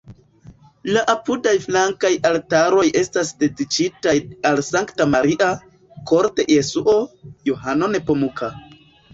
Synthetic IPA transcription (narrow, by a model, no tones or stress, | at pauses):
laʔapudajflaŋkajaltaɾo̞jʔe̞stasde̞dit͡ʃitajalsaŋktamaɾiʔa | ko̞ɾte̞jesuʔo̞johano̞ne̞po̞mukʰa